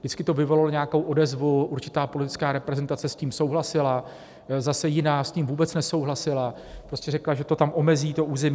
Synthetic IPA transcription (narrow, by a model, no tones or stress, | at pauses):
dɪt͡skɪt̪o̞vɪvololoɲeako̞wʔo̞dɛzvuʔuɾt͡ʃɪt̪aːpolɪt̪ɪt͡skaːɾɛpɾɛzɛnt̪at͡sɛsciːmso̞wɦlasɪla | zasɛjɪnaːsciːmvuːbɛt͡snɛso̞wɦlasɪla | pɾoscɛɾɛklaʒɛt̪o̞t̪amʔo̞mɛziːt̪o̞ʔuːzɛmi